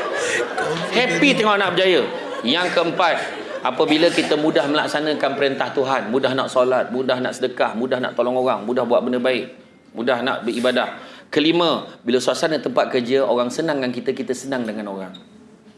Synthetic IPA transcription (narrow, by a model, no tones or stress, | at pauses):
hɛpit̪ɛŋɔʔnaʔbəd͡ʒajə | jaŋkəəmpat̪̚ | ʔapəbiləkit̪əmũdahməlaksanãkanpəɾint̪aht̪uɦanmũdahnaʔsolat̪̚mudahna̰ʔsədəkahmũdahna̰ʔt̪olɔŋoɣaŋmũdahbuaʔ̪̚bəndəbaɪʔ | mudahna̰ʔbəibadahkəlimə̃bilasuasanət̪əmpat̪̚kərd͡ʒəʔoɾaŋsənãŋjaŋkit̪əkit̪əsənãŋdəŋanoɾaŋ